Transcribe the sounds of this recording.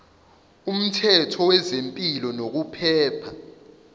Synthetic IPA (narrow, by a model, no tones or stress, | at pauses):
um̩tʰɛtʰɔwɛzempʼilɔnok̬upʰɛːpʰa